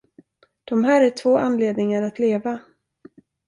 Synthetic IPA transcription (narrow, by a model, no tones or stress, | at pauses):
d̪̥ɔmɦæːɾæʈʰvoːʔanːleːd̪nɪŋaɾat̪leːva